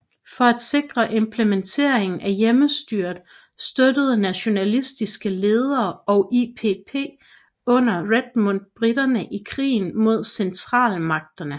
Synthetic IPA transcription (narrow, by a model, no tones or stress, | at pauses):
fɒ̽æd̥se̝ɡ̥ʁɐʔe̝mpʰlement͡sʰe̝̰ɐ̰e̝ŋn̩ʔæjeməsd̥yɐ̰d̥ | sd̥ød̥əð̞̩ˠnæɕo̝nælisd̥isɡ̥əle̝ːð̞ˠɐːɒ̽ʔipʰepʰe̝̰ː | ɔ̽n̰ɐʁed̥̚mond̥̚b̥ʁid̥ɐnəʔikʰʁḭːn̩mo̝ð̞̰ˠsent͡sʰʁɑ̰̈ːlmɑ̈ɡ̥̚d̥ɐnə